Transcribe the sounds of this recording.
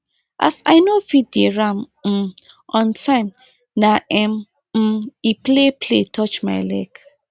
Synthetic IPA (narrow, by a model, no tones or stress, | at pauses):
ʔa̰sa̰ɪnofit̚deɹãm | m̩ | ɔ̃ntʰãɪm | naʔɛm | m̩iplepʰletʰɔt͡ʃma̰ɪlɛk